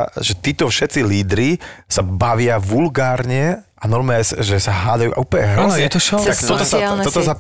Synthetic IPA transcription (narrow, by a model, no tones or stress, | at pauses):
ʒɛt̪iːt̪ɔfʃɛt̪t͡siliːd̪ɾisabaʋɪaʋulɡaːɾɲɛʔanɔɾmɛsʒɛsaɦaːd̪ajṵʔa̰uːpɲɛanɛt̪ɔʃɔakt̪ɔt̪ɔsaanɔt̪ɔsa